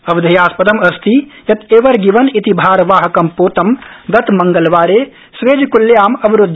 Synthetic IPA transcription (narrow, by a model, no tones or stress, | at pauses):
ɐʋd̪ʱɐjaːspɐd̪ɐmɐst̪ʰijɐt̪ʰeːʋɐɾɡiʋɐnit̪ibʱaːɾʋaːɦɐkɐmpoːt̪ɐmɡɐt̪mɐŋɡɐlʋaːɾeː | sʋeːd͡ʒkuljaːmɐbiɾʊd̪ʱː